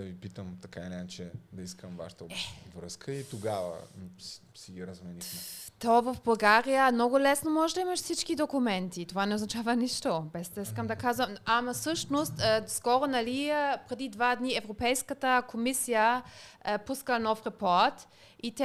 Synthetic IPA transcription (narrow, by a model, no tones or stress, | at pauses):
d̪ɐvipit̪əmt̪ɐkainɛt͡ʃɛd̪ɐiskəmva̰ʃə̥t̪əvɾəskəit̪oɡavə̰s | siɡiɾɐzmɛnixmɛt̪ɔvɐfbɐlˠɡaɾijəmnɔɡʊlɛsnomɔʒɛd̪ɐimɐʃsit͡ʃkid̪okʊmɛnt̪it̪ovanɛoznɐt͡ʃavɐniʃt̪obɛsd̪ɐiskəmd̪ɐkazvəmamɐsɤʃnost̪ːskɔɾonɐlipɾɛd̪id̪vad̪niɛvɾopɛjskət̪əkʰomisijə | puskənɔfɾɛpɔɾt̪ | it̪ɛ